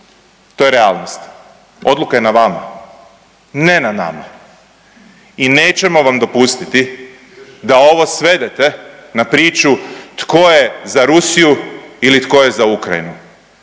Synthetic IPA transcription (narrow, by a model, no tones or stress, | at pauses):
t̪o̞jeɾealˠnost̪ | o̞d̪lukaje̞naʋama̰ | ne̞nana̰ma̰ | ine̞ːt͡ʃe̞mo̞ʋamd̪o̞pust̪it̪i | d̪ao̞ʋo̞sʋe̞d̪e̞t̪e̞napɾiːt͡ʃut̪ko̞jezaɾusijuilit̪ko̞je̞zaukɾa̰jḭnu